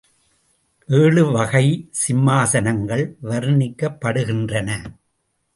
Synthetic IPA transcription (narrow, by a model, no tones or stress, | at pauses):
ʔeːɭɯʋɐɣɐɪsɪmːaːsɐnɐŋɡɐɭʋɐɾɯnɪkːɐpːɐɽɯɣɪndrɐnɐ